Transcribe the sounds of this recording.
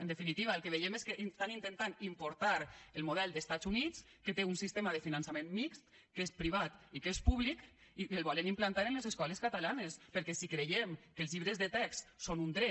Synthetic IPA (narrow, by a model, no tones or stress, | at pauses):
end̪efinit̪iβ̞aelˠkeβ̞ejemeskeʔst̪anint̪ent̪animpoɾt̪aɾelˠmuð̞ɛlˠd̪est̪azunit͡s | ket̪eunsist̪emaðefinansamenmikst̪ | kespɾiβ̞at̪ikespuβlikielβɔlenimplant̪aɾenlezeskɔleskat̪alanespəɾkɛsikɾejemkəlˠzʎiβɾezðet̪ɛkssonund̪ɾɛ